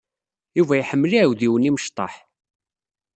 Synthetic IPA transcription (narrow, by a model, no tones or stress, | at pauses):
juvæjħəmːəliʕwðiwəniməʃt̪ˤːɑ̰ħ